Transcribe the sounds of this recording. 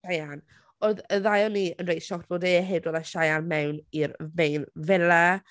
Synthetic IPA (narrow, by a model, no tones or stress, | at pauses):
ajan | oðəðajɔnːiənrej̥ʃɔkt̚ʰb̥oːdeɦedwɔðaʃajanmɛwniɾmejnvɛla